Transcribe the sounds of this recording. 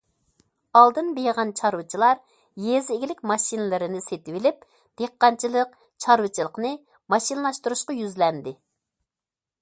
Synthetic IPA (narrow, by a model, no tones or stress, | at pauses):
ɑlˠd̪ɨnbejʁɑnt͡ʃʰɑɾwɨt͡ʃʰilˠɑɾ | jezɪɡʲilɪkʲmɑʃinɨlˠɨɾɪnɪset̪ɪwɪlɪp̚ | d̪̥eqːɑnt͡ʃʰilˠəq | t͡ʃʰɑɾwɨt͡ʃʰilˠəqnɨ | mɑʃinlˠɑʃt̪uɾuʃqɑjyzlɛnd̪ɪ